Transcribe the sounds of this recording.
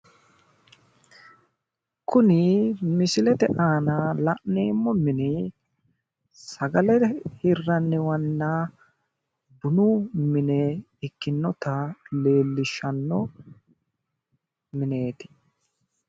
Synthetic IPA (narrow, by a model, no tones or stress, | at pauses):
kʰʊnɪmɪsɪlɛt̪ɛʔaːnɐlɐʔneːmːɔmɪnɪ | sɐɡɐlɛhɪrːɐnːɪwɐnːaː | bʊnuːmɪnɛ | ɪkːɪnːɔt̪ɐle̞ːlːɪʃːɐnːɔ | mɪne̞ːt̪ɪ̥